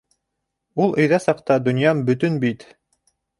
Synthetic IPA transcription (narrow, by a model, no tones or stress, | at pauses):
ulˠɵ̆jðɑsɑqt̪ɑd̪ŏnjɑmbɵ̆t̪ɵnbit̪